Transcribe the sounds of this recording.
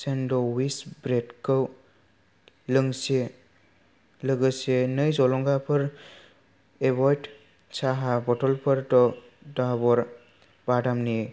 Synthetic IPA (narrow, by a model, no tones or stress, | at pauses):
sendɔwisbɾetkɔw | ləŋse | ləɡɯsenəjzɔlɔŋɡapʰɯɾ | ebɔjʈ | saɦabɔʈɔlpʰəɾtɔ | dabɔɾ | badamni